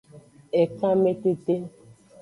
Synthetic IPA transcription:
ɛ˨kã˦me˦te˦te˦

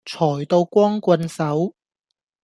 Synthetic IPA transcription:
t͡sʰɔː˨˩jt̪o˧wkʷɔː˥ŋkʷɐ˧nsɐ˨˥w

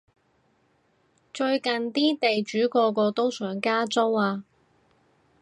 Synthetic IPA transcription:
t͡ʃɵ˧ɥkɐ˨nt̪iː˥t̪e˨jt͡ʃyː˨˥kɔː˧kɔː˧t̪o˥wsœː˨˥ŋkaː˥t͡so˥waː˧

